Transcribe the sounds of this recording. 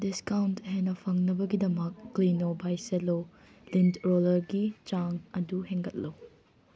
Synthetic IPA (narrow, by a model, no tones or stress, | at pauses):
diskawntɦenɐpʰɐŋnɐbɐɡidɐmɐk̚ːlinobʱajselo | lintɾolɐɾɡit͡ʃaŋɐduɦeŋɡɐt̚lɐw